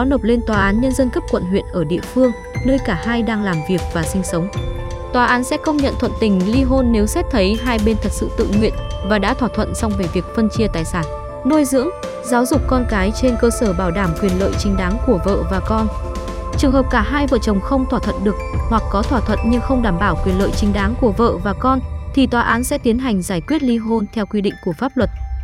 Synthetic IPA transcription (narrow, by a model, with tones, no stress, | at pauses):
ɔ˨˦no˨˩p̚le˧nt̪waː˨˩ʔaː˨˦nɲə˧nzə˧nkə˦˥p̚kwə̰˧˨nɦwḭ˧˨ənʔəː˧˩ɗḭ˧˨əfɨ˧əŋ | nəː˧jkaː˧˩haː˧jɗaː˧ŋlaː˨˩mvi˨˩ək̚vaː˨˩sï˧ŋ̟sə˨˦wŋ͡m | t̪waː˨˩ʔaː˨˦nsɛ̰˧˥kə˧wŋ͡mɲə̰˧˨nt̪ʰwə̰˧˨nt̪ï˧˩ŋ̟li˧ɦo˧nːe˨˦wsɛ˦˥t̚t̪ʰə˨˦jɦaː˧jɓe˧nt̪ʰə˨˩t̚sɨ̰˧˨t̪ɨ̰˧˨ŋwḭ˧˨ənvaː˨˩ɗa̰ː˧˥t̪ʰwaː˧˩t̪ʰwə̰˧˨nsɔ˧wŋ͡mve˧˨˩vi˨˩ək̚fə˧nt͡ɕi˧ət̪aː˨˩jsaː˧˩n | no˧jzɨ̰˧˥əŋ | zaː˨˦wzʊ˨˩k͡p̚kɔ˧nkaː˨˦jt͡ɕe˧nkəː˧səː˧˩ɓaː˧˩wɗaː˧˩mkwi˨˩ənlə̰ː˧˨jt͡ɕï˨˦ŋ̟ɗaː˨˦ŋku˧˩əvə̰ː˧˨vaː˨˩kɔ˧n | t͡ɕɨ˨˩əŋɦəː˨˩p̚kaː˧˩ɦaː˧jvə̰ː˧˨t͡ɕə˨˩wŋ͡mxə˧wŋ͡mt̪ʰwaː˧˩t̪ʰə̰˧˨nɗɨ˨˩ək̚hwa˨˩k̚kɔ˨˦t̪ʰwaː˧˩t̪ʰwə̰˧˨nɲɨ˧ŋxə˧wŋ͡mɗaː˧˩mɓaː˧˩wkwi˨˩ənlə̰ː˧˨jt͡ɕï˨˦ŋ̟ɗaː˨˦ŋku˧˩əvə̰ː˧˨vaː˨˩kɔ˧nt̪ʰi˨˩t̪waː˨˦ʔaː˨˦nsɛ̰˧˥t̪i˨˦ənɦa˨˩jŋ̟zaː˧˩jkwi˦˥ət̚li˧ɦo˧nt̪ʰɛ˧wkwi˧ɗḭ˧˨ŋ̟ku˧˩əfaː˦˥p̚lwə˨˩t̚